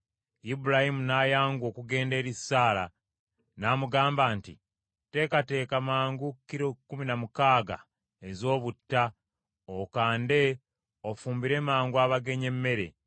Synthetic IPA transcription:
ibuɾahimunajaːŋɡwo̞ːkuɡe̞ːnde̞ːɾisːaːla̰ | namuɡaːmbaːntḭ | te̞ːkate̞ːkamaːŋɡukːiɾokːuminamukaːɡa̰ | ezo̞ːβutːa | okaːnde̞ | ofuːmbiɾe̞maːŋɡuaβaɡe̞ɲe̞mːe̞ɾe̞̰

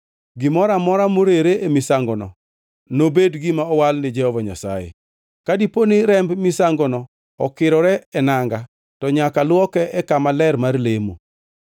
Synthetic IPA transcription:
ɡɪmɔɾamɔɾamoɾeɾeʔemɪsaŋɡɔnɔ̰ | nobedɡɪmaɔwalnɪd͡ʒɛhɔvaɲa̰sa̰jḛ | kadiponɪɾɛmbmɪsaŋɡɔnɔ | ɔkɪɾɔɾɛɛnaŋɡa | tɔɲakalwɔkɛɛkamalɛrmarlemo̰

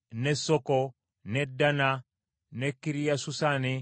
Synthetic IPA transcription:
nesɔkɔ | nedana | nekːiɾijasusani

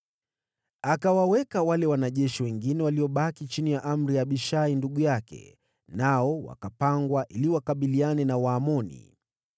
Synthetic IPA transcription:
akawawɛkawalɛwanaʄɛʃiwɛŋɡinɛwaliɔɓakit͡ʃinijaʔam̩ɾiaɓiʃainduɠujakɛ̰ | naɔwa̰kapaŋɡwaʔiliwakaɓilianɛnawaːmɔnḭ

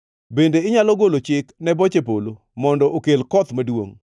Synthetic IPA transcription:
bendeɪɲalɔɡolot͡ʃɪknɛbɔt͡ʃep̬olo | mɔndɔʔokelkɔt̪madwo̰ŋ

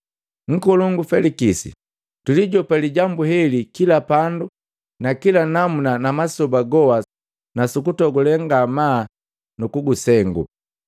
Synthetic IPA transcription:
ŋ̩kɔluŋɡufɛlikisḭ | tuliɟɔpaliɟambuɦɛlikilapandu | nakilanamunanamasɔbaɡɔwa | nasukutɔɡulɛŋɡamaː | nukuɡusɛŋɡṵ

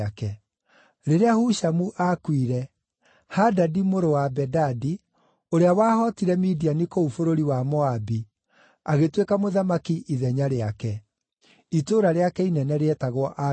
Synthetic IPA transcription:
akɛ | ɾeɾeahuʃamuʔakwiɾɛ | hadadimoɾowabɛdadi | oɾeawaːhɔtiɾɛmidianikoufoɾoɾiwamɔabi | aɣetwekamoðamakiʔiðɛɲaɾeakɛ | itoɾaɾeakɛinɛnɛɾeɛtaɣwɔʔa

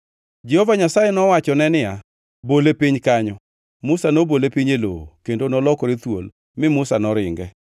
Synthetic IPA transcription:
d͡ʒɛhovaɲasajenɔwat͡ʃɔnɛnɪja | bolepiɲkaɲɔ | mʊsanobolepiɲelo̰kendonɔlɔkoɾet̪wo̰l | mɪmʊsanɔɾɪŋɡɛ

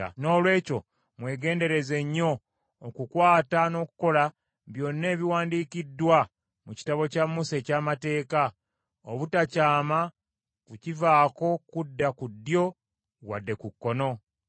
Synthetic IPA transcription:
no̞ːlwe̞ːco̞ | mwe̞ːɡe̞ːnde̞ɾe̞ze̞ɲːo̞ː | kukwaːtano̞ːku̥ko̞la | βjo̞nːe̞ːβiwaːndiːkidwa | muci̥taβo̞camːuse̞caːmate̞ːka | oβutacaːma | kucivaːko̞kudːakudːjo̞ | wa̰dːe̞kukːono̞

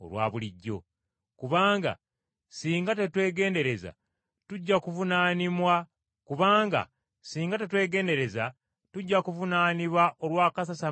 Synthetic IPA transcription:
o̰lwa̰ːβuliɟːo̞̰ | kuβaːŋɡa̰ | siːŋɡate̞twe̞ːɡe̞ːnde̞ɾe̞za̰ | tuɟːakuvunaːnimwa | kuβaːŋɡa̰ | siːŋɡat̬e̞twe̞ːɡe̞ːnde̞ɾe̞za | tuɟːakuvunaːniβwaʔo̞lwaːkasasa

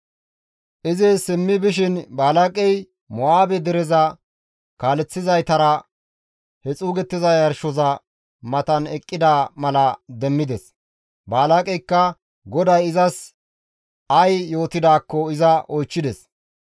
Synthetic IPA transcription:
ʔɪzɪsɪmːɪbɪʃ̬ɪnbaːlakʼɛj | mɔaːbɛd̪ɛɾɛzɐ | kaːlɛt͡sːɪzɐjt̪ɐɾɐ | hɛt͡sʼuːɡɛt̪ːɪzɐjɐɾʃɔzɐ | mɐt̪ɐnɛkʼːɪd̪aːmɐlɐd̪ɛmːɪd̪ɛs | baːlakʼɛjkːɐ | ɡɔd̪ɐjɪzɐs | ɐjjo̞ːt̪ɪd̪aːkːɔɪzɐɔjt͡ʃːɪd̪ɛs

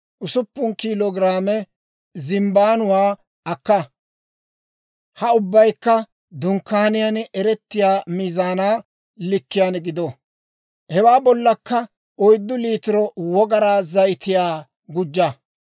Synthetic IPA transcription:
ʔʊsʊpːʊnkiːlɔːɡɪɾaːmɛ | zɪmbaːnʊwaː | ɐkːɐ | hɐʊbːɐjkːɐ | d̪ʊŋkːaːnɪjanɛɾɛt̪ːɪjaːmiːzaːnaː | lɪkːɪjanɡɪd̪ɔ | hɛwaːbɔlːɐkːɐ | ʔɔjd̪ːʊliːt̪ɪɾɔwɔɡɐɾaːzɐjɪt̪ɪjaː | ɡʊd͡ʒːɐ

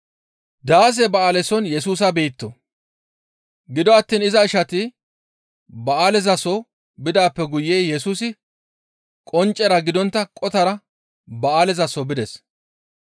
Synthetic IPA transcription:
d̪aːs̬ɛbɐaːlɛsɔnjɛsuːs̬ɐbeːt̪ːɔ | ɡɪd̪ɔɐt̪ːiːnɪzɐɪʃɐt̪ɪ | bɐaːlɛzɐsɔ | bɪd̪aːpːɛɡʊjːeːjɛsuːsɪ | kʼɔnt͡ʃʼːɛɾɐɡɪd̪ɔnt̪ːɐkʼɔt̪ɐɾɐ | bɐaːlɛzɐsɔbɪd̪ɛs

